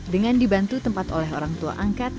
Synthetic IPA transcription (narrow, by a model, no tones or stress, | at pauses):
dəŋandibant̪ut̪əmpat̪olɛɦoɾaŋt̪ua̰ʔaŋkat̪̚